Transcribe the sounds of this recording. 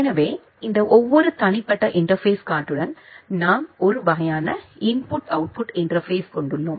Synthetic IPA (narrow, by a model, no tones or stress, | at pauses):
nɐʋeː | ɪnd̪ɐʔɔʋːɔɾɯt̪ɐɳɪpːɐʈːɐʔɪɳʈɐɾfeːskaːʈːɯɽɐnnaːmɔɾɯʋɐɣɐjaːnɐɪnpʊʈɐʊʈ̚pʊʈɪɳɖɐɾfeːskɔɳɖɯɭːoːm